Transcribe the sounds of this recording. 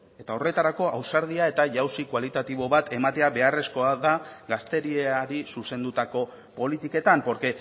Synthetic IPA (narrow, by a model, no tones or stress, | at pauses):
e̞t̪ao̞re̞t̪aɾako̞ʔa̰wsaɾð̞iae̞t̪aʝawsikwalit̪at̪iβ̞o̞βat̪ʰe̞mat̪e̞aβe̞are̞sko̞aðaɡast̪e̞ɾieaɾisuse̞nd̪ut̪ako̞ | po̞lit̪ike̞t̪ampo̞ɾke̞